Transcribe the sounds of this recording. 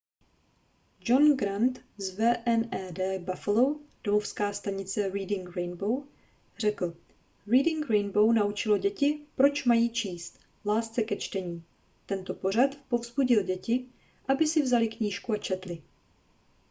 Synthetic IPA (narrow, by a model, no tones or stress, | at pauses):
d͡ʒo̞nɡɾant̪zvɛːʔɛnɛːdɛːbafɛlowd̥omofskaːst̪aɲɪt͡sɛɾiːdɪŋkɾɛjnbow | r̝ɛkl̩ | ɾiːdɪŋkɾɛjnbo̞wnaut͡ʃɪlo̞ɟɛcɪpɾo̞t͡ʃmajiːt͡ʃiːst̪ | laːst̪t͡sɛkɛt͡ʃt̪ɛɲiː | t̪ɛnt̪o̞po̞ɾ̝at̪po̞vz̥buɟɪlɟɛcɪ | ʔabɪsɪvzalɪkɲiːʃkuat͡ʃɛt̪lɪ